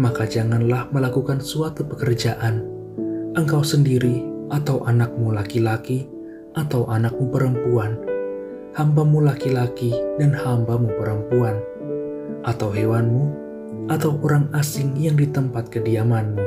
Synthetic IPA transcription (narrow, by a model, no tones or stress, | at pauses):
makad͡ʒaŋanlahməlakukansuat̪upəkərd͡ʒaʔan | ʔəŋkawsəndiɾiʔat̪awʔanak̚mulakilaki | ʔat̪awʔanak̚mupəɾəmpuan | hambamulakilakidanhambamupəɾəmpuan | ʔat̪awɦewanmu | ʔat̪awʔoɾaŋasɪŋjaŋdit̪əmpat̪̚kədiamanmu